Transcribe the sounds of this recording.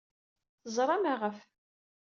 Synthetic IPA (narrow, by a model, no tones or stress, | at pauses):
θəzˤɾˤɑmaʁəf